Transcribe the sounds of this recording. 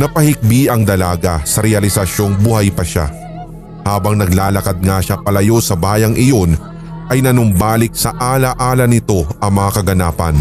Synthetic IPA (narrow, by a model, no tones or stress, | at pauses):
nɐpɐhɪk̚biʔɐŋd̪ɐlaːɡasɐɾɛɐlɪsɐʃo̞ŋbʊhajpɐʃa̰ | haːbɐŋnɐɡlaːlɐkad̪̚ŋaʃapɐlɐjo̞sɐbaːjɐŋʔɪjo̞n | ʔɐjnɐnʊmbaːlɪk̚sɐʔaːlɐʔaːlɐnɪt̪o̞ɐŋmɐŋakɐɡɐnaːpɐ̰n